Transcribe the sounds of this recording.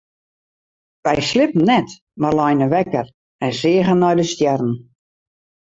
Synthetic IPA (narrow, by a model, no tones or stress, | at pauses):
ʋɛjslɪpən̩nɛt | marlɔjnəʋɛkər | ɛnsɪəɣənːɔjdəstjɛrn̩